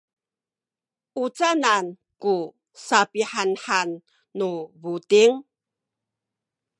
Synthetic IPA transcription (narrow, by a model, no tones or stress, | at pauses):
ʔut͡sanan | ku | sapiħanħanː | uβutiŋ